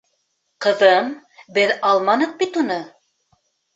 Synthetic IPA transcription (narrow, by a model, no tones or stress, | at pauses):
qɤ̆ðɤm | bɘðɑlˠmɑnɤ̆q̚bit̪unɤ